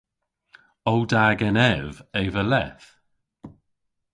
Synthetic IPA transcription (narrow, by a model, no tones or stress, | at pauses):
ɔwdaːɡɛnɛveːvəlɛθ